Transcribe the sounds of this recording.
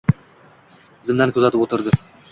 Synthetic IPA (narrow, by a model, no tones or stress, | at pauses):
zɪmd̪ankʰɵzat̪ɪpot̪ʰɪɾd̪ɪ